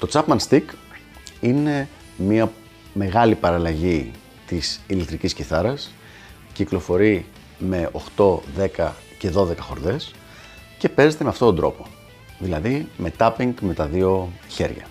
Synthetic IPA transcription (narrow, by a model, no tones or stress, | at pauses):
t̪o̞t͡sɐpmɐnst̪ik | ine̞ | miɐ | me̞ɣɐlipɐɾɐlɐʝi | t̪isilekt̪ɾicisciθɐɾɐs | ciklo̞fo̞ɾi | me̞o̞xt̪o̞ðe̞kɐ | ce̞ðo̞ðe̞kɐxo̞ɾðe̞s | ce̞pe̞ze̞t̪emeɐft̪o̞t̪ond̪ɾo̞̰po | ðilɐðime̞t̪ɐpiŋɡme̞t̪ɐðio̞çe̞̰ɾʝɐ̰